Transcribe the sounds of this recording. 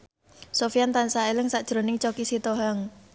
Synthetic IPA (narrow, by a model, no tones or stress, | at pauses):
sofijant̪ansaelɪŋsaʔd̥ʒ̥ɾo̤nɪŋt͡ʃokisit̪oɦaŋ